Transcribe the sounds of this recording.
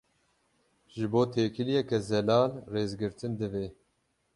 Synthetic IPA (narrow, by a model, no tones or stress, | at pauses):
ʒɨboːt̪ʰeːkʰɨlijɛkɛzɛlɑːlreːzɡɨɾt̪ʰɨnd̪ɨveː